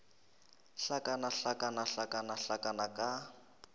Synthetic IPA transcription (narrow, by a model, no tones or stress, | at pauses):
ɬakʼanaɬakʼanaɬakʼanaɬakʼanakʼa